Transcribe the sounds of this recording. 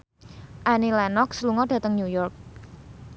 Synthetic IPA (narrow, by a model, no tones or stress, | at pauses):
ʔanilɛnɔk̚səluŋɔɖ̥ä̤t̪əŋɲujɔrk̚